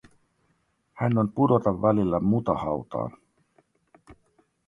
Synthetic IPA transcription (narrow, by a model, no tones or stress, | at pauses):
hænːo̞npudo̞t̪ɑʋːælilːæmut̪ɑhɑwt̪ɑ̰ːn